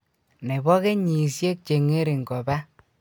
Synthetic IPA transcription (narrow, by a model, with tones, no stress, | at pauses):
ne˨βɔ˦ɣe˦ɲi˨sje˦k̚t͡ʃe˨ŋe˦ɾe˨ŋɡɔ˨ba˦